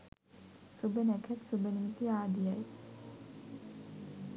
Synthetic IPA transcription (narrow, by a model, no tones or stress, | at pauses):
sɨbənɛkʰɐt̪sɨbɐnimit̪iaːd̪ijaj